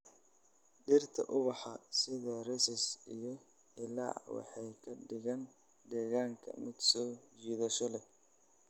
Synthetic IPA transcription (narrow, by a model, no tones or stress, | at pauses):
ɖɪrt̪ʰɐ̰ʔʊβɑħɑsɪðɐrɛsɪsijɔ | ɪla̰ːwɑ̰ħɑjkʰɐɖɪɣɐn | d̪ɛːɣaːŋkʰɐ̰mɪd̪sɔːt͡ʃiːðɐʃɔlɛ